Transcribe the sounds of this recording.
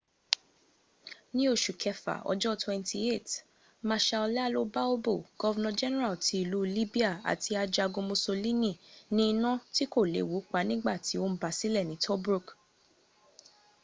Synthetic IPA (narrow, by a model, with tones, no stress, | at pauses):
nĩ˦o˦˨ʃu˨kʰɛ˧fa̰˨ɔ̰˧d͡ʒɔ˦twɛ̃˧ntʰi˧e˦˨t | mã˧ʃa˧ɔ˧lɛ˦a˧lo˦ba˦o˦bo˦˨ɡ̥ɔ˦vɛ˧nã˧d͡ʒɛ˦nɛ˦ɾa˨lti˧i˦˨lu˨˦li˦bi˦a˦˨a̰˨tʰi˧a˧d͡ʒa˧ɡõ˧mo˧so˧li˦nĩ˦˨nĩ˦˧nã˦ti˦ko˦˨lḛ˨wu˨˦k͡pa˦nĩ˦ɡ͡ba˦˨ti˨˦o˦m̩˦ba˨˦si˦lɛ˦˨nĩ˨˦tʰɔ˦bɾu˦˨k